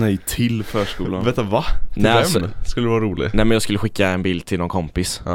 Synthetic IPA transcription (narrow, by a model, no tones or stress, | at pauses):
nɛjt̪ʰɪlfœːʂkuːlavet̪ːvanɛskɵləd̪əʋɑːɾɾuːlɪ̰næɪmɛnjɑːɡskɵlːəɧɪkːaɛnbiːld̪̚t̪ʰɪlnɔnkʰɔmpɪs